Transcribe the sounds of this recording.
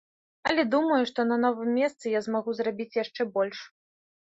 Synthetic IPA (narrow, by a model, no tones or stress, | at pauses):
ɐlʲɛd̪umɐjuʂt̪ɔnɐnɔvɨmʲːɛst̪sɨjazmaɣuzrabʲit͡sʲjaʂt͡ʂɛbɔlʲʂ